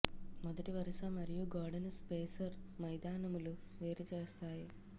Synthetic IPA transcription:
mɔd̪ɐʈiʋɐɾɐʃɐmɐɾijuɡaːɾɖɐnspeːsɐɾmɐjd̪aːnɐmulu | ʋeːɾit͡ʃeːst̪aːju

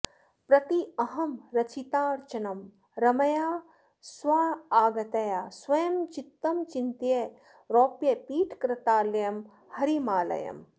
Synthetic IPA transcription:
pɾɐt̪iɐɦɐmɾɐt͡ʃʰit̪aːɾt͡ʃɐnɐm | ɾɐmɐjaː | swaːaːɡɐt̪ɐjaːswɐjɐmt͡ʃit̪ːɐmt͡ʃint̪je | ɾoːpjɐpiːʈʰkɾɐt̪aːlɐjɐm | hɐɾimaːlɐ̰jɐ̰m

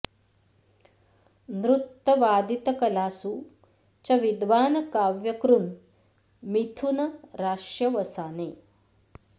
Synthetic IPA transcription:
nɾut̪ːɐʋaːd̪it̪ɐkɐlaːsu | t͡ʃɐʋid̪ʋaːnɐkaːʋjɐkɾun | mit̪ʰunɐɾaːʂjɐʋɐsaːneː

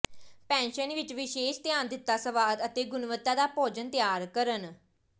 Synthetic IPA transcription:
pɛ̃ːnʃənʋɪt͡ʃʋɪʃeːʃt̪ɪjaːnd̪ɪt̪ːaːsəʋaːd̪ət̪eːɡʊnʋət̪ːaːd̪aːpoːd͡ʒənt̪jaːɾkəɾən

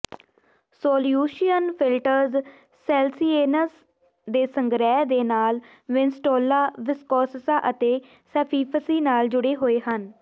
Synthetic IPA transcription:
soːljuːʃijənpʰɪlʈəɾz | sɛːlsiːeːnəs | d̪eːsəŋɡɾɛːd̪eːnaːl | ʋɪnsʈoːlaːʋɪskɔːsəsaːʔət̪eː | sɛːpʰiːpʰəsiːnaːld͡ʒʊɽeːɦoːeːɦən

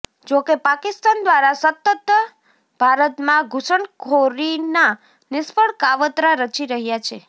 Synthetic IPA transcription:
d͡ʒokepakɪst̪and̪ʋaɾasət̪ːət̪ | bʱaɾət̪mãɡʱusəɳkʰoɾina | nɪspəɽkaʋət̪ɾaɾət͡ʃiɾəɦjat͡ʃʰe

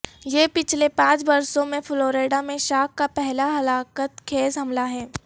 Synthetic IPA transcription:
jeːpɪt͡ʃʰlepãːt͡ʃbɐɾsõmẽfloːɾeːɖamẽʃaːkːapɛɦlaɦɐlaːkət̪kʰeːzɦɐmlaɦɛː

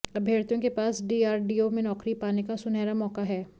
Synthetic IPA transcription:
ɐbʱeːɽt̪õkepaːsɖiːaːɾɖiːomẽnɔːkɾipaːnekasʊnɛːɾamɔːkaɦɛː

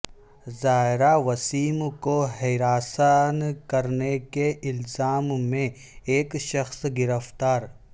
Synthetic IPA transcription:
zaːɪɾaʋɐsiːmkoɦeːɾaːsənkɐɾnekeʔɪlzaːmːẽ | eːkʃɐxsɡɪɾəft̪aːɾ

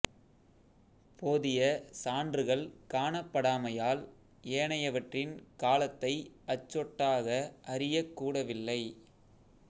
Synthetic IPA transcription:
poːðɪjɐsaːndrɯɣɐɭkaːɳɐpːɐɽaːmɐjaːl | eːɳɐjɐʋɐʈrɪnkaːlɐt̪ːɐɪɐt͡ʃːɔʈːaːɣɐʔɐɾɪjɐkːuːɽɐʋɪlːɐɪ

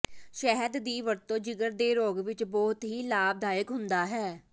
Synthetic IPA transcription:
ʃɛɦəd̪ːiːʋəɾt̪õːd͡ʒɪɡəɾd̪eːɾoːɡʋɪt͡ʃbɔːt̪ɦiːlaːb̚d̪aːjəkɦʊnd̪aːɦɛː

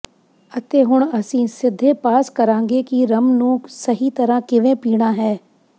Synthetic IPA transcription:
ɐt̪eɦʊɽ̃ɐsĩsɪd̪ʱːepaːskɐɾãːŋɡekiɾɐmnũːksɐɦit̪ɐɾãkɪʋẽpiːɽ̃aɦɛː

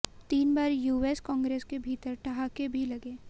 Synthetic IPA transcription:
t̪iːnbaːɾjuːeːskɔ̃ːŋɡɾeːskebʱiːt̪əɾʈɐɦakebʱilɐɡeː

